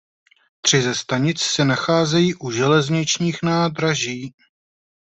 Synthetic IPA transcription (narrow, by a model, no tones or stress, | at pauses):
t̪r̝̥ɪzɛst̪aɲɪt͡ssɛnaxaːzɛjiːʔuʒɛlɛzɲɪt͡ʃɲiːxnaːd̪ɾaʒiː